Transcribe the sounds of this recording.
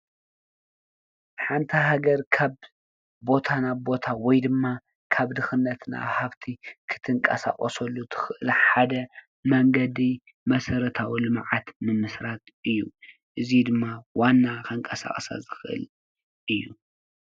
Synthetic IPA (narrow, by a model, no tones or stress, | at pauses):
ħant̪ʰɐɦaɡɐɾkʰaβ | bo̞t̪ʰanabbo̞t̪ʰawɔjd̪ɨmːa | kʰaβd̪ɨxɨnːɐt̪na̰haβt̪ʰikʰɨ̥t̪ʰɨŋkʼɐsa̰χʼɐsɐlːut̪ʰɨ̥xɨʔɨlħad̪ɐ | mɐŋɡɐd̪i | mɐsɐɾɐt̪ʰawilɨmʕat̪nɨmɨsɾat̪̚ʔɨjːṵ | ʔɨzid̪ɨmːawanːakɐŋkʼɐsa̰χʼsa̰zɨxɨʔɨ̰l | ʔɨjːu